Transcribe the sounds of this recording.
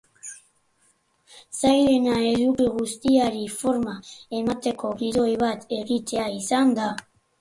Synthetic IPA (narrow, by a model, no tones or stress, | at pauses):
sajðenaezukiɣust̪iaɾifoɾmaemat̪ekoɣiɾojβat̪eɣit̪eaisand̪a